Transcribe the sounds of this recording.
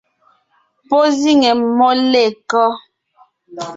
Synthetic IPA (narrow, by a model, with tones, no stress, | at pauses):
po˦zi˦ŋɛ˨mɔ˦le˦˨kɔ˦